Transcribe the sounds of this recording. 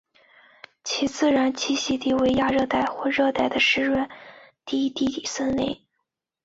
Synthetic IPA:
t͡ɕʰi˧˥t͡sɹ̩˥˩ɻa˧˥nt͡ɕʰi˥ɕi˧˥t̪i˥˩we˧˥ɪja˥˧ɻɤ˥˧t̪a˥˧ɪxwɔ˥˧ɻɤ˥˧t̪a˥˩ɪd̪ə˩ʂɻ̩˥˧ɻwə˥˩nt̪i˥˧˥t̪i˥˩t̪i˨˩sə˥nne˥˩ɪ

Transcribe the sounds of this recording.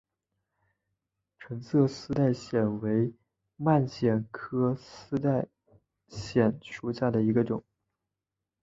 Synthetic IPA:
ʈ͡ʂʰɤ˧˥ŋt͡sʰɤ˥˧sɹ̩˥t̪a˥˩ɪɕjɛ˨˩nwe˧˥ɪ | ma˥˩nɕjɛ˨˩nkʰɤ˥sɹ̩˥t̪a˥˩ɪ | ɕjɛ˨˩nʂu˧˥ɕja˥˩d̪ə˩i˧˥ɡə˧ʈ͡ʂʊ˨˩˦ŋ

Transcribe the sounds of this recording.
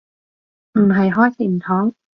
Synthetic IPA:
m̩˨˩ɦɐ˨˩jɦɔː˥jsʰiː˨˩m̩˨˩t̪ʰɔː˨˥ŋ

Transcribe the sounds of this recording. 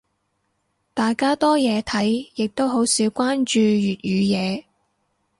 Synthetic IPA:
t̪aː˨jkaː˥t̪ɔː˥jɛː˨˧t̪ʰɐ˨˥jjɪ˨k̚t̪o˥wɦo˨˥wsiː˨˧wkʷaː˥nt͡ʃyː˧jyː˨t̚jyː˨˧jɛː˨˧

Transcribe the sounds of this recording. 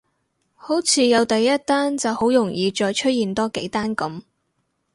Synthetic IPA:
ho˨˥wt͡sʰiː˨˧jɐ˨˧wt̪ɐ˨jːɐ˥t̚t̪aː˥nt͡sɐ˨who˨˥wjʊ˨˩ŋjiː˨t͡ʃɔː˧jt͡ʃʰɵ˥t̚jiː˨˩nt̪ɔː˥ke˨˥jt̪aː˥nkɐ˨˥m

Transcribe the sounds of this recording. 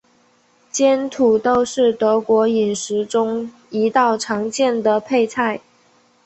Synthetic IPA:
t͡ɕjɛ˥nt̪ʰu˨˩t̪o˥ʊʂɻ̩˥˩t̪ɤ˧˥kwɔ˧˥i˨˩nʂɻ̩˧˥ʈ͡ʂʊ˥ŋ | i˧˥t̪ɑ˥˩ʊʈ͡ʂʰɑ˧˥ŋt͡ɕjɛ˥˩nd̪ə˩pʰe˥˧ɪt͡sʰa˥˩ɪ

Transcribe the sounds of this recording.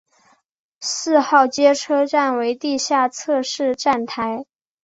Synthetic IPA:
sɹ̩˥˧xɑ˥˩ʊt͡ɕjɛ˥ʈ͡ʂʰɤ˥ʈ͡ʂa˥˩nwe˧˥ɪt̪i˥˧ɕja˥˩t͡sʰɤ˥˧ʂɻ̩˥˧ʈ͡ʂa˥˩nt̪ʰa˧˥ɪ

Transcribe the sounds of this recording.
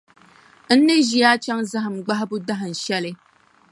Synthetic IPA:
n̩˦ne˦ʒi˦a˦t͡ʃa˦ŋza˦ɦɨ˨m̩˨ɡ͡ba˦hbu˦da˦ɦn̩˨ʃɛ˦le˦

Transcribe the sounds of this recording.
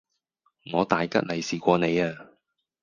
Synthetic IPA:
ŋɔː˨˧t̪aː˨jkɐ̰˥t̚lɐ˨jsiː˨kʷɔː˧ne˨˧jaː˧

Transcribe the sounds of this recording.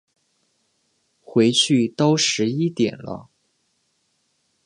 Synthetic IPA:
xwe˧˥ɪt͡ɕʰy˥˩t̪ɑ˥ʊʂɻ̩˧˥i˥t̪jɛ˨˩nlə̰˦

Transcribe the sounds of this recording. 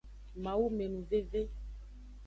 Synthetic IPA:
mã˨wu˦me˨nũ˨ve˦ve˦

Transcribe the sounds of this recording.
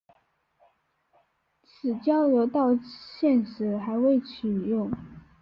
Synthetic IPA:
t͡sʰɹ̩˨˩t͡ɕjɑ˥ʊljo˧˥ʊt̪ɑ˥˧ʊɕjɛ˥˩nʂɻ̩˧˥xa˧˥ɪwe˥˩ɪt͡ɕʰy˨˩jʊ˥˩ŋ

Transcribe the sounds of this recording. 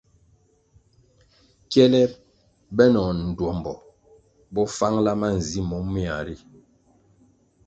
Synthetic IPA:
kjɛ˦lɛ˦ | bɛ˦nɔ˨n̩˨dwɔ˨mbɔ̰˨ | bɔ˦fa˦ŋla˦ma˦n̩˨zi˦mɔ˨˦mːi˦a˨ɾi˦

